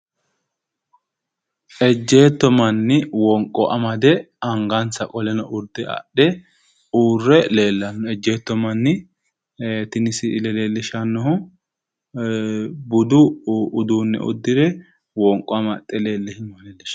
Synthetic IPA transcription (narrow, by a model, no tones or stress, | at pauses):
ʔɛd͡ʒːe̞ːt̪ːɔmɐnːɪwɔŋkʼːɔʔɐmɐd̪ɛ | ɐŋɡɐnt͡sːɐkʼɔlɛnɔʔʊɾd̪ɛɐ̰ɗɛ | uːrːɛle̞ːlːɐnːɔɛd͡ʒːe̞ːt̪ːɔmɐnːɪ | t̪ɪnɪsɪlɛleːlːɪʃɐnːɔhʊ | bʊd̪ʊʊd̪uːnːɛ̰ʔʊ̰d̪ːɪd̪ɛ | wɔŋkʼːɔɐmɐt̪ʼːɛle̞ːlːɛhɪnɐleːlːɛʃɐ̥